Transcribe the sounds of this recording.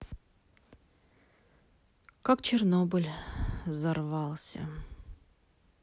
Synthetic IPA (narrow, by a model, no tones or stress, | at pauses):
kakt͡ɕɪrnobɨlʲzɐrvɑlˠsʲə̰